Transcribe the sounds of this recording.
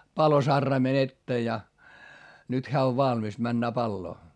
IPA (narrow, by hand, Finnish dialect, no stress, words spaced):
pɑlosɑrːɑimen etːeː jɑ nyt heæ oʋ ʋɑlmis mænːæː pɑlːoː